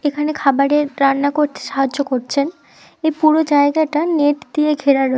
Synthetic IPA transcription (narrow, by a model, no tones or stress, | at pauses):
ekʰanekʰabaɾeɾɾanːakoɾt̪ʰe̥ʃaɦad͡ʑːokoɾt͡ɕʰen | ejpuɾod͡ʑaeɡaʈaneʈd̪ieɡʱeɾaɾoe